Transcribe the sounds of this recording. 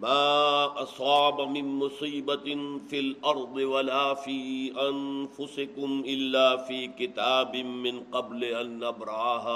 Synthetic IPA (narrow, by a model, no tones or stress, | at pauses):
maːʔɑsˤɑːbamɪnmʊsˤiːbafilʔɑɾˤd̪ˤɨwalaːfiːʔanfʊsɪkʊmʔɪlːaːfiːkɪt̪aːbɪmɪnqɑblɪʔanːabɾaːɦaː